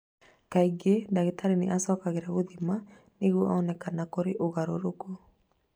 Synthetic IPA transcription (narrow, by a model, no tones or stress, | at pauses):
kaiɡedaɣetaɾeneʔasɔːkaɣeɾaβoðima | neɣwɔʔaɔnɛkanakoɾeʔoɣaɾoɾoko